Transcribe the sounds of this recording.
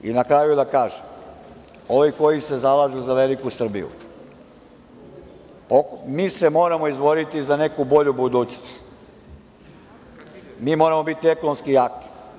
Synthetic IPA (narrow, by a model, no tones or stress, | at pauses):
ḭnakɾajud̪akaːʒem | oʋiko̞jise̞zalaːʒuzaʋe̞likusr̩bḭjṵ | okmiːse̞mo̞ːɾamo̞izʋo̞ɾit̪izane̞kubo̞ʎubud̪uːt͡ɕnost̪ | miːmo̞ːɾamo̞bit̪ie̞konomskijaːki̥